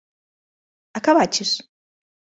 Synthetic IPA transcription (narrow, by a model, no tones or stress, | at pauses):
akaβat͡ʃes